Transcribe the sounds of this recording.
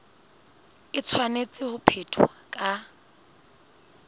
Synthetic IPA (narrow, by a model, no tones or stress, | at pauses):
ɪt͡sʰwanet͡sʼɪhʊpʰetʰʊwakʼa